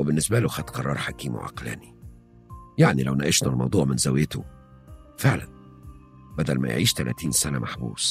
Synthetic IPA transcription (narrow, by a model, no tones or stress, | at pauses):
webɪnːɪsbæluxæt̪qɑrˤːɑɾˤħakiːmʊ̰ʕɑ̰qlæ̰ːni | jaʕnilæwnæʔɪʃnælmɑ̰wd̪ˤuːʕmɪnzæwjɪt̪ʊ | feʕlæn | bæd̪ælmæ̰j̰ʕiːʃt̪ælæ̰ːt̪iːnsænæmʔaħbṵːs